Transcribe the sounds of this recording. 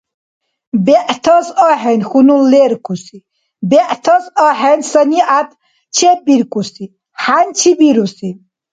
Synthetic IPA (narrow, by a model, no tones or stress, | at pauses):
bɛʔt̪ʰɔsɔɦɛnxunulɛɾkʰʼusi | bɛʔt̪ʰɔsɔɦɛnsəniat̪ʰ | t͡ʃʰɛbiɾkʼusi | hant͡ʃʰibiɾusin